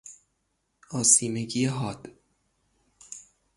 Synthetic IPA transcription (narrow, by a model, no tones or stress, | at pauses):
ɒːsiːmeɟijeɦɒːd̪̥